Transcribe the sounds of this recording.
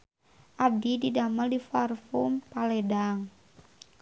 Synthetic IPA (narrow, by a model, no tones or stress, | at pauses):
ʔab̚dididaməldifarfumpalɛdaŋ